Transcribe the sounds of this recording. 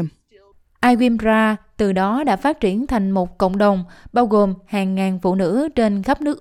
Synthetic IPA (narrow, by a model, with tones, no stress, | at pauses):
ʔaː˧jɣwi˧mzaː˧t̪ɨ˨˩ɗɔ˨˦ɗa̰ː˧˥faː˦˥t̚t͡ɕi˧˩ənt̪ʰa˨˩jŋ̟mo˨˩t̚kə̰˧˨wŋ͡mɗə˨˩wŋ͡mɓaː˧wɣo˨˩mhaː˨˩ŋːaː˨˩nfṵ˧˨nɨ̰˧˥t͡ɕe˧nxə˦˥p̚nɨ˦˥ək̚